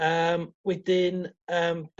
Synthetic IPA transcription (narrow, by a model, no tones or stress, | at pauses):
əmwɛdɪnəːmb̥